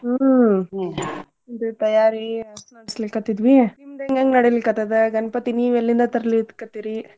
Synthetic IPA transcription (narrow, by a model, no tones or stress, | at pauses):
d̪ut̪ɐjaːɾiɐnɐɽislikːɐt̪ːid̪ʋinimd̪eŋɡɐŋɡenɐɽelikːɐt̪ːɐd̪eɡɐnɐpɐt̪iniːʋɛlːind̪ɐt̪ɐɾɐlit̪kːɐt̪ːiɾi